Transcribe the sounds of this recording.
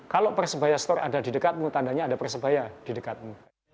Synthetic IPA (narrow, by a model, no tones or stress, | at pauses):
kalopərsəbajast̪ɔra̰dadidəkat̪̚mut̪andaɲaːdapərsəbajad̥idəkat̪̚mu